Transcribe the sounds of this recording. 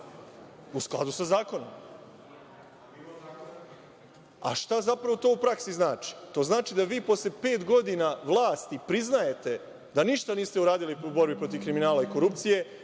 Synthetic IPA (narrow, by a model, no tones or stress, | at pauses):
usklˠa̰d̪usazaːko̞no̞̰m | a̰ʃt̪azapɾaʋo̞t̪o̞ːupɾaksiznaːt͡ʃi̥t̪o̞ːznaːt͡ʃid̪aʋiːpo̞slepe̞ːt̪ɡo̞d̪inaʋlˠaːst̪ipɾiznaje̞t̪e̞ | d̪aniʃt̪aniːst̪e̞uɾaːd̪iliubo̞ɾbipɾo̞t̪̬iʋkɾiminaːlaiko̞ɾup̚t̪sije̞